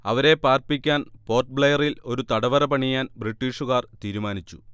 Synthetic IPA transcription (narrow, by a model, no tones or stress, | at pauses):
ɐʋɐɾe̞paːrpikʲːaːnpo̞ːrʈ̚bɭlejɐrilo̞ɾut̪ɐɽɐʋɐɾɐpɐɳijaːnbriʈːiːʂuɣaːrt̪iːɾumaːnit͡ɕːu̥̰